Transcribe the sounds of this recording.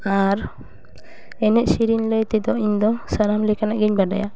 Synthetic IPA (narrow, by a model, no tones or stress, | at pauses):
aɾ | ɛnɛʔsiɾinləjt̪ɛd̪ɔiɲd̪ɔsaɾamlɛkanaʔɡiɲbaɖa̰ja̰